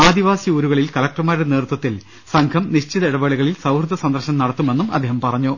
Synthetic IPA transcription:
aːd̪iʋaːsiuːɾuɣɐɭilkɐlɐk̚ʈrɐmaːɾɾneːrt̪wɐt̪ːil | sɐŋkʰɐmniɕt͡ɕiðɐiɽɐʋɐɭiɣɐɭilsɐwrd̪ʱːɐsɐnd̪ɐrɕɐmnɐɽɐt̪ːume̞nːumɐ̰d̪ːeːɦɐmpɐrɐɲːo

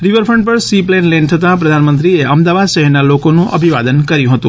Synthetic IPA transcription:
ɾiʋəɾfʰɾəɳʈ̚pəɾsiplenlent̪ʰət̪apɾəd̪ʱanmə̃nt̪ɾieəmd̪aʋad̪ʃəɦɛɾnalokonũʔə̰bʱiʋa̰d̪ənkəɾjũɦət̪ṵ̃

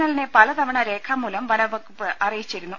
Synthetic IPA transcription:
nɐlinepɐlɐt̪ɐʋɐɳɐɾe̞ːkʰɐmːuːlɐmʋɐnɐʋɐkːpɐrijit͡ɕːiɾunːu

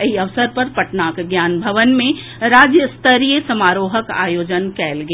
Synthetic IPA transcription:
iɐʋsəɾpɐɾpɐʈnaːkɡjaːnbʱɐʋənmẽ | ɾaːd͡ʒjəst̪əɾijəsɐmaːɾoːɦəka̰ːjoːd͡ʒənkɛːlɡ

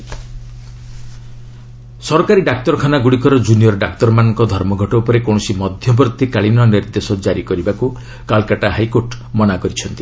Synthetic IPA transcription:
sɔɾɔkaɾiɖak̚t̪ɔɾɔkʰanaɡuɽikɔɾɔd͡ʒuniɔɾɔɖakt̪ɔɾɔmanɔŋkɔd̪ʱɔɾmɔɡʱɔʈɔupɔɾekɔ̃ɔsimɔd̪ʱjɔbɾɔt̪ːikaɭinɔniɾd̪esɔd͡ʒaɾikɔɾibaku | kalkaʈaɦajkoɾʈmɔnakɔɾit͡ʃʰɔnt̪i

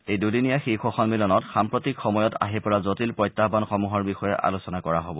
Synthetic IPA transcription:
ejdudinijaxixɔxɔnmilɔnɔtxampɹotikxɔmɔjɔta̰ɦipɔɹazotilpɹɔjtːaɦbanxɔmuɦɔɹbixɔjɛʔa̰lusɔnakɔɹaɦobɔ

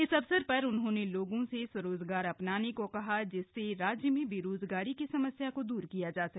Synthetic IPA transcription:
ɪsɐʋsəɾpɐɾʊnɦõːneloːɡõsesɐɾoːzɡaːɾɐpnaːnekokɐɦad͡ʒɪsːeɾaːd͡ʒjəmẽbʱiɾoːzɡaːɾikisɐməsjakod̪uːɾkijad͡ʒaːsɐk̚

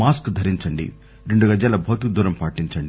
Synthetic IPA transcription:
aːskd̪ʱɐɾiɲt͡ʃɐɳɖḭ | ɾe̞ɳɖuɡɐd͡ʒjaːlɐbʱɐːt̪ikd̪uːɾɐmpaːʈiɲt͡ʃɐɳɖi

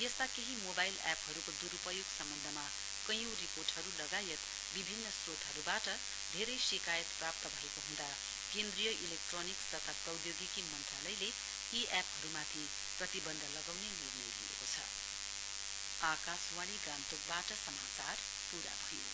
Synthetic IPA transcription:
jʌst̪akeɦimobajlɛpɦʌɾukod̪uɾupʌjoɡsʌmbʌnd̪ʱʌma | kʌjõriporʈɦʌɾulʌɡajʌt̪ | bibʱinːʌsrod̪ʱɦʌɾubaʈʌ | d̪ʱeɾʌjsikajʌt̪prap̚t̪ʌbʱʌekoɦũnd̪a | kend̪rijʌʔilek̚ʈronikst̪ʌt̪ʰaɡʌwd̪joɡikimʌnt̪ralʌjle | iapɦʌɾumat̪ʰi | prʌt̪ibʌnd̪ʱʌlʌɡawnenirmilḭḛkot͡sʰʌ̰ | akaswaɽ̃iɡãnt̪ok̚baʈʌsʌmat͡sar | puɾa̰bʱʌjo̰

